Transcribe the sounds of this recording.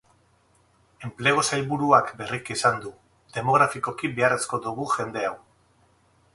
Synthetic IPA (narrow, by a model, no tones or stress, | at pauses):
e̞mple̞ɣ̞o̞sajβuɾuakbe̞rikisand̪u | d̪e̞mo̞ɣ̞ɾafiko̞kibeare̞sko̞ðuɣ̞uʝe̞nd̪e̞aw